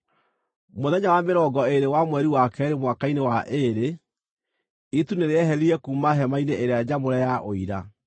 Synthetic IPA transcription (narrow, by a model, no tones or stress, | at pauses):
moðɛɲawameɾɔɡɔeɾewamwɛɾiwakɛɾemwakainewaʔeɾe | ituneɾeɛɦɛɾiɛkuːmaɦɛmaineʔeɾead͡ʑamoɾɛjaʔoiɾa